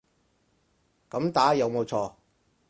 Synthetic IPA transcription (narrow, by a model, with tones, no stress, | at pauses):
kɐ˨˥mt̪aː˨˥jɐ˨˧wmo˨˧wt͡sʰɔː˧